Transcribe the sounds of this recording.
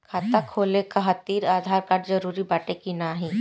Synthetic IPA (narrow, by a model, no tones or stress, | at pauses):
kʰaːt̪akʰoːlekaɦɐt̪iːɾaːd̪ʱaːɾkaːʈd͡ʒɐɾuːɾibaːʈekinaɦĩ